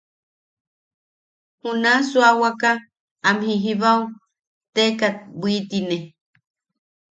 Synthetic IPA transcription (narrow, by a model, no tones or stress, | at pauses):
hunasuawaka | amhiɦiβaw | t̪ekat̪̚buit̪ine